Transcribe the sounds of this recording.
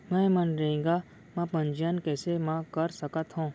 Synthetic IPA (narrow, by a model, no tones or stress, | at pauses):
mɛ̃ːmənɾɐɦẽːŋɡa | mɛ̃pə̃ɲd͡ʒijənkɛːsemãkəɾsəkət̪ɦõː